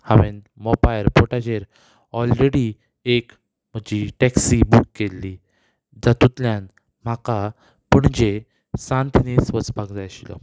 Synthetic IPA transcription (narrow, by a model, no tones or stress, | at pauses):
haʋen | mɔbajəɾpoʈad͡ʑeɾ | ɔlɾeɽi | ek | m̤əd͡ʑiʈɛksibukːelːiː | d͡zat̪ut̪ljan | m̤aka | pəɳd͡ʑe | sãnt̪inesʋət͡sbʱaɡd͡zajɕilɔ̰